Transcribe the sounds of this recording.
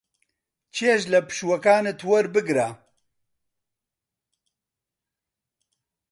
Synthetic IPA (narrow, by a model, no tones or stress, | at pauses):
t͡ʃʰeːʃlɐpɨ̥ʃwɐkaːnet̪ʰwɐɾbɨɡɾa